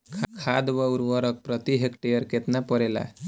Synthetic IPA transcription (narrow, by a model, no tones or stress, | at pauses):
kʰkʰad̪ʋəuɾʋɔɾək̚pɾət̪iɦekʈejəɾket̪napɔɾela̰